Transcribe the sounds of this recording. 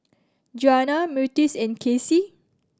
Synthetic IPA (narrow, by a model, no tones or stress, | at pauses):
d͡ʒuanamjutisɛ̃nkʰesi